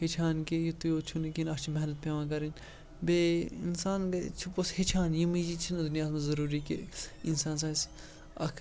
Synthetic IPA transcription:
het͡ʃʰaːnkejut̪ujoːt͡ʃʰunkinɐkʰt͡ʃʰimɐɦnɐt̪̚pʲjeːʋãːk̬ɐɾin | beinsaːnkɐt͡ʃʰuposhet͡ʃʰaːnjimid͡ʒit͡ʃʰind̪unjaːsmɐzɐɾuːɾikḛinsaːns̬aːs | ɐ̰kʰ

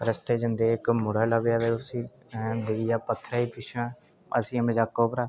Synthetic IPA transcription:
ɾəst̪eːd͡ʒənd̪eːɪkmʊɽaːlabjaːd̪eːʊsĩː | d̪ɪʋijaːpət̪ʰːɾaːiːp̪ɪʃʰãː | ə̰sĩːəmɪd͡ʒaːkːoːpəɾaː

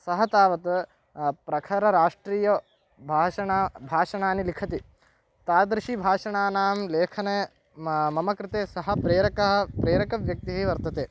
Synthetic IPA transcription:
sɐɦɐt̪aːʋɐt̪ɐ | pɾɐkʰɐɾɐɾaːʂʈɾiːjɐ | bʱaːʃɐɳabʱaːʂɐɳaːnilikʰɐt̪i | t̪aːd̪ɾɪʃibʱaːʂɐɳaːnaːmleːkʰɐne | mɐmɐkɾɪt̪eːsɐɦɐ̆pɾeːɾɐkɐɦɐ̆pɾeːɾɐkɐʋjɐk̚t̪iɦiʋɐɾt̪ɐt̪eː

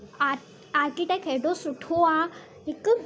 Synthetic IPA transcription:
a | aɾkiʈekɛɖosuʈʰoa | ik

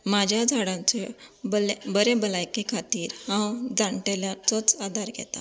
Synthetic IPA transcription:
mad͡ʑʱjad͡zʱaɽãnt͡sebəlbəɾebəlajkekʰat̪iːɾhãwd͡zaɳʈaljat͡sɔt͡sad̪ʱaɾɡʱɛ̰t̪a̰

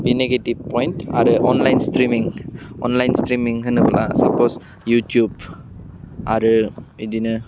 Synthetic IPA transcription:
ɪnːeɡeʈːɪʋpɔ̃ːɪnʈaːɾɯʔɔːnlɐɪnsʈɾiːmɪ̃ŋʔɔnlɐɪnsʈɾiːmɪ̃ŋɐnɯʋɐ̰lã̰ːsɐpːoːs | juːʈjuːb | ʔaɾɯɪd̪inɯ

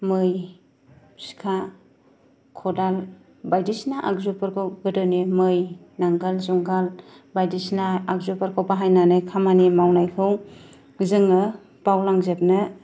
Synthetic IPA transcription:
mɯj | si̥kʰa | kʰɔdal | bajdisnaʔakzupaɾkʰawɡɯdɯnemɯj | naŋɡalzuŋɡal | bajdisnaːk̚zupaɾkʰawpaɦajnanɯjkʰamanimawnajkʰɯw | zɯŋɯ | pawlaŋzep̚nɯ

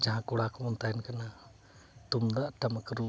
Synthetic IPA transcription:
d͡ʒaɦãkɔɽakɔmɔnt̪ajɛnkana | t̪umd̪aʔʈaməkəɾu

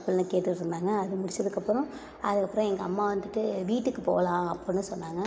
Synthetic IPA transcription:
pːɪlnɐkeːʈ̪ːɯʈːɾɯnd̪aːŋɡɐːðɯmʊɽɪt͡ʃːɐðɯkːɐpːɯɾɔ̃ | ɐðɯkːɐpːɯɾɔ̃ɛŋɡɐɐmːaːʋɐnd̪ɯʈːɯʋiːʈːɯkːɯpo̰ːlãːɐpːɔnːɯsɔnːaːŋɡɐ

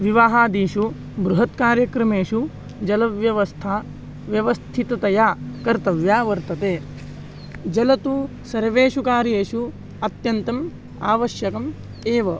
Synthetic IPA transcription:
ʋiʋaːɦaːd̪iːʃu | bɾuɦɐt̪kaːɾjɐkɾɐmeːʃu | d͡ʒɐlɐʋjɐʋɐst̪ʰaː | ʋjɐʋɐst̪ʰit̪ɐt̪ɐjaːkɐɾt̪ɐʋjaːʋɐɾt̪ɐt̪eː | d͡ʒɐlɐt̪u | sɐɾʋeːʃukaːɾjeːʃu | ɐt̪jɐnt̪ɐm | aːʋɐʃjɐkɐm | eːʋɐ

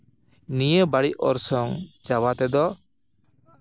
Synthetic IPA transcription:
nijebaɽiʔɔ̰ɾsɔŋd͡ʒawat̪ɛd̪ɔ

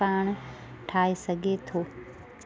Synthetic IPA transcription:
aːɳ̃ | ʈʰaːisɐɡʱet̪ʰoː

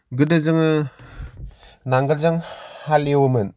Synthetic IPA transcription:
ɡɯdɯzɯŋɯ | naŋɡɯlzɯŋhalewɯmɯn

